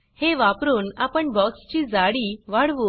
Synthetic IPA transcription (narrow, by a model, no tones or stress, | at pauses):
heʋapɾuːnapəɳbɔkst͡ɕiːd͡zaɽiːʋaɽʋu